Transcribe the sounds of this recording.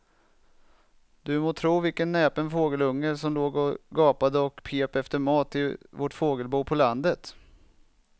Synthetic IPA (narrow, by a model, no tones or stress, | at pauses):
d̪ɵmoːt̪ʰɾuːvɪlkənːɛːpənfoːɡəlɵŋːəɾsɔmloːɡɔɡɑːpad̪əɔkpʰeːpɛft̪əɾmɑːt̪ɪvɔʈfoːɡəlbuːpʰɔland̪ət̪